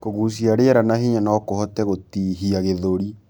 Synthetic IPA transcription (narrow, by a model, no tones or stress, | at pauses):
koɣuːs̬iaɾeɛɾanaɦiɲanɔːkohɔtɛɣotiːɦiaɣeðoɾi